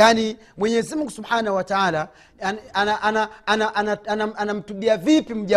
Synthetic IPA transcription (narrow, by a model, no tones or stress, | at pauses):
ani | mwɛɲɛzimuŋɡusubħaːnahwataala | anaʔanaanaʔanaanaanam̩tuɓiavipim̩ʄa